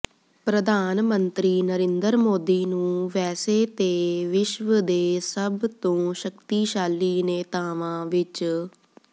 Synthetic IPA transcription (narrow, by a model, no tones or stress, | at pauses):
pɾəd̪aːnmənt̪ɾiːnəɾẽnd̪əɾmoːd̪iːnũːʋɛːseːt̪eːʋɪʃʋəd̪eːsəbt̪õːʃəkt̪iːʃaːliːneːt̪aːʋãːʋɪt͡ʃ